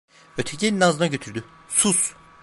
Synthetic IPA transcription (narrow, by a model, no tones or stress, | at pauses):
øt̪ʰeɟʰenʲinazɯnaɟø̞t̪ʰyɾd̪y | sus